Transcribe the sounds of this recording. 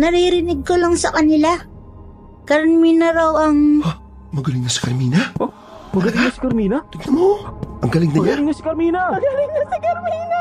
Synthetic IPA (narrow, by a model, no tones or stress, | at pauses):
nɐɾiɾɪnɪɡ̚kolaŋsɐkɐnɪla | kɐɾminɐɾɐwɐŋa | mɐɡɐlɪŋnɐsɐ̥kɐɾmiːnɐʔo | mɐɡɐɪŋnasi̥kɐɾmiːnɐt̪ɪɡ̚nɐmoʔɐŋɡɐlɪŋnɐɲaɪŋnɐsikɐɾmiːnɐɡɐlɪŋasɐkɐɾmiːnɐ